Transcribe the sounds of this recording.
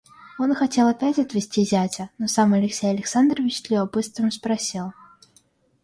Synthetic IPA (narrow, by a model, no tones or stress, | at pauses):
onxɐtʲelˠɐpʲætʲɐt̪vʲɪsʲtʲizʲat͡sʲɐnosamɐlʲɪksʲejɐlʲɪksand̪rəvʲɪt͡ɕt̪lʲivɐbɨst̪vɨmspɾɐsʲilˠ